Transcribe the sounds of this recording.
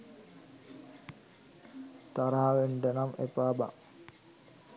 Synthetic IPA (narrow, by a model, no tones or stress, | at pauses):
t̪aɾaːʋeɳɖənamḛpaːba̰